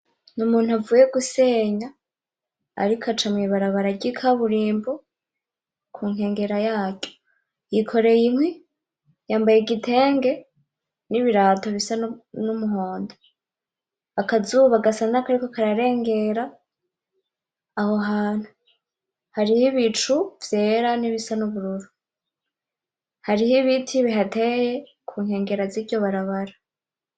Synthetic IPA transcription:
numuːn̥huavuje̞ɡuse̞ːɲa̰ː | ɾikʰat͡ʃamŋiβaɾaβaɾaɟikʰaβuɾiːmbo | kʰuːŋe̞ːŋɡeɾajaːɟo̥ | jikʰo̞ɾe̞jimwe | jaːmbajeɡitʰe̞ːŋɡe̞ | niβiɾaːto̞βisanumuɦoːndo | akazuβaɡasanakaɾikokaɾaɾe̞ːŋɡe̞ɾa | hoɦaːn̥hu | haɾihiβit͡ʃuvje̞ːɾaniβisanuβuɾuɾu | haɾihiβitʰiβiɦatʰe̞je̞ | kʰuːŋhe̞ːŋɡe̞ɾaziɾɟo̞βaɾaβaɾa

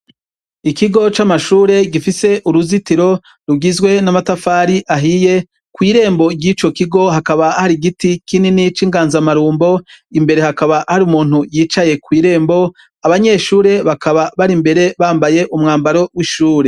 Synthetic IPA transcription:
ikiɡo̞t͡ʃamaʃuːɾe̞ɡifise̞ʔuɾuzitiɾo̞ | ɾuɡizɡwe̞namatafaːɾiʔaɦije̞ | kwiːɾe̞ːmbo̞ɡɟit͡ʃo̞kiɡo̞ɦakaβahaɾiɡitikininit͡ʃiːŋɡaːnzamaɾuːmbo̞imbe̞ɾe̞hakaβahaɾiumuːnhujiːt͡ʃaje̞kwiːɾe̞ːmbo̞ | aβaɲe̞ʃuːɾe̞βakʰaβaβaɾimbe̞ɾe̞βaːmbaje̞ʔumŋaːmbaɾo̞wiʃuːɾe

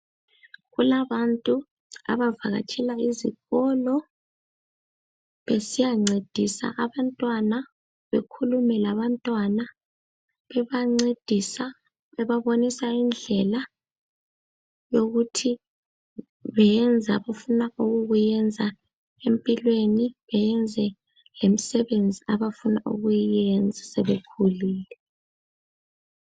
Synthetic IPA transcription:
ɣulaβantʼu | a̰βava̰ɣa̰t͡ʃʰɛlaiziɣɔlɔ | βesijaŋ͡ǀed̥ʱisa̰ʔaβantʼwana | βekʰulumɛlaβantʼwana | βɛβaŋ͡ǀed̥ʱisa | ɛβaβonisaind͡ɮʱɛla | joɣutʰi | βɛjɛnd͡zʱa̰βafunauɣuɣujɛnd͡zʱa | empʼilweniβɛjɛnd͡zʱɛ | lem̩sɛβend͡zʱiaβafunaʔṵɣujɛnd͡zʱasɛβekʰuliːlɛ

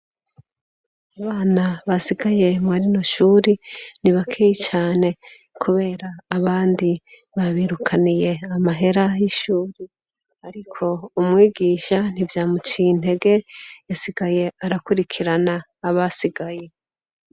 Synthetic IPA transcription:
aβaːnaβasiɡaje̞mwaɾino̞ʃuːɾiniβakʰejit͡ʃaːne̞ | kʰuβe̞ːɾaːβaːndi | βaβiɾukʰanije̞amaɦe̞ɾajiʃuːɾi | aɾikʰo̞umŋwiːɡiːʃan̥ivjaːmut͡ʃin̥e̞ɡe̞jasiɡaje̞aɾakuɾikʰiɾanaː | βasiɡaje̞

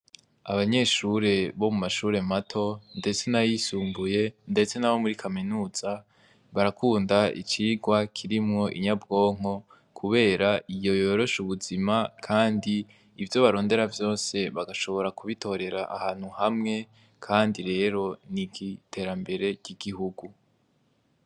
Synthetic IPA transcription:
aβaɲe̞ːʃuɾe̞βo̞mumaʃuːɾe̞matʰo̞nde̞t͡se̞najisuːmbuje̞nde̞t͡se̞naβo̞muɾikʰaminuːz̥a | βaɾakuːndaḭt͡ʃiːɡwakʰiɾimŋo̞ʔiɲabɡo̞ːŋ̥o̞ | kʰuβe̞ːɾaijo̞jo̞ɾo̞ʃuβuzimakʰaːndiː | vjo̞βaɾo̞ːnde̞ɾavjo̞ːse̞βaɡaʃo̞βo̞ɾakuβitʰo̞ɾe̞ɾaʔahaːn̥huhamŋe̞ | kʰaːndiɾe̞ːɾo̞niɡitʰe̞ɾambe̞ɾe̞ɟiɡihuɡu

